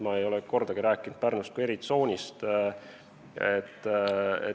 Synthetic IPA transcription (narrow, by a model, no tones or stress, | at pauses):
mɑe̞jo̞lɛko̞rd̪̥ɑɡ̥iɾæːkːˑind̪̥pærnust̪kue̞ɾit̪so̞ːnʲist̪ | et̪ːḛ